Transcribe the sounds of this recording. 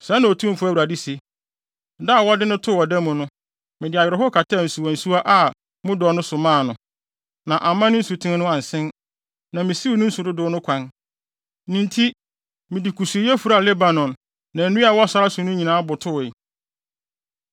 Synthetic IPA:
sɛ˦nã˨o˨tʰũ˦m̩˨fʊ˦æ˦˨wa˨di˦se˨ | da˦˨wɔ˦dɪ˦nʊ̃˦tʰʊ˦˨ɔ˨dɛ̃˦mʊ̃˨nʊ̃˦ | mɪ̃˨dɪ˨a˨jɪ˨ɾɪ˨ɦʊ˦kʰa˨tʰa˦˨n̩˨su˨wɔ̃˨n̩˨su˦a˦ʔa˦˨ | mʊ̃˦dɔ˨˦nʊ̃˦sʊ˨mãː˦˨nʊ̃˨ | nã˨ʔa˨mã˦nɪ̃˦n̩˦su˨tʰɪ̃˦n˦nʊ̃˦ã˨n˨sɪ̃˦n | nã˨mɪ̃˨si˦˨nʊ̃˦n̩˦sʊ˨dʊ˦dʊ˦nʊ̃˦kʷʰã˦n | nĩ˨ntʰi˦ | mɪ̃˨di˨kʰu˨su˨e˨jɛ˦fu˨ɾa˦a˨lɛ˦ba˨nɔ̃˨nː | ã˨nũ˦a˨wɔ˦sa˦ɾa˦sʊ˨nʊ̃˦ɲĩ˨nãː˦bʊ˨tʰʊ˦˨ɪ˨

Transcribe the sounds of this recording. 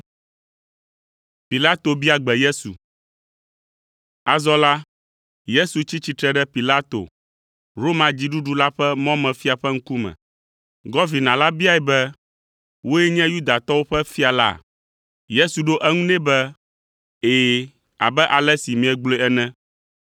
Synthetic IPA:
pi˨la˦t̪o˨bi˦a˨ɡ͡bɛ˨je˦sṵ˨ | a˨zɔ˦la˦ | je˦su˨t͡ɕi˦t͡ɕi˦t̪ɾɛ˦ɖɛ˦pi˨la˦t̪o̰˨ | ɾo˦mã˨d͡ʑi˦ɖu˦ɖu˦la˦ɸɛ˦mɔ̃˦mɛ̃˨fi˦a˨ɸɛ˦ŋ̩˦ku˦mɛ̰̃˨ | ɡɔ˦vi˨nã˨la˦bi˦a˦ɛ˨bɛ˦ | wo˦jɛ˦ɲɛ̃˦ju˦d̪a˨t̪ɔ˦wo˦ɸɛ˦fi˦a˨la̰˦˨ | je˦su˨ɖo˦ʔɛ˦ŋũ˦nɛ̃˦bɛ˦ | eː˨ | a̰˨bɛ˦ʔa˨lɛ˦si˨mĩ˨ɛ˨ɡ͡blo˨˦ɛ˦nɛ̃˦

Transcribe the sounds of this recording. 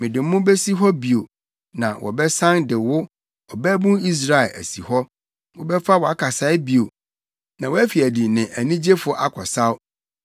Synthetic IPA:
mɪ̃˨dɪ̃˨m˦mʊ̃˦be˦si˦ɦɔ˦bi˨o˨ | nã̰˨wʔɔ̰˨bɛ˦sã˦ndɪ˨wʊ˦ | ɔ˨bæ˦bũ˦ni˦s̬ɾa˦ɪ˨lʔæ̰˨si˨hɔ˦ | wʊ˦bɛ˦fa˦wɔ˨a˦kʰa˨sa˦ɪ˦bi˨o˨ | nã˨wɔ˦æ˦fi˨æ˨di˨nɪ̃˨ʔæ˨nĩ˦d͡ʑe˦fʊ˨˦ʔa˦kʰɔ˨sa˦w

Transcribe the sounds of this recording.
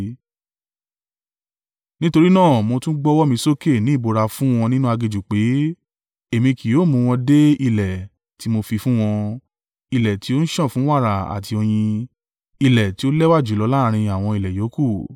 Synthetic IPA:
nĩ˦to˧ɾi˦nãː˦˨mo˧tũ˦ɡ͡bɔ˦wɔ˦mĩ˧so˦ke˦˨nĩ˨˦i˦˨bo˧ɾa˧fũ˦w̃ɔ̃˧nĩ˦nũ˦a˧ɡe˧d͡ʒu˨k͡pe˨˦ | e˨mĩ˧ki˨joː˨˦˨mũ˧w̃ɔ̃˧de˦i˧lɛ˨ | ti˨˦mo˧fi˧fũ˦w̃ɔ̃˧ | i˧lɛ˨ti˨˦o˦n̩˦ʃɔ̃˦˨fũ˨˦wa˦˨ɾa˨a̰˨tʰi˧o˧j̃ĩ˧ | i˧lɛ˨ti˨˦o˦lɛ˦wa˦˨d͡ʒu˨˦˨lɔ˨˦la˦˧ɾ̃ĩ˧a˨w̃ɔ̃˧i˨lɛ˨jo˨˦ku˦˨

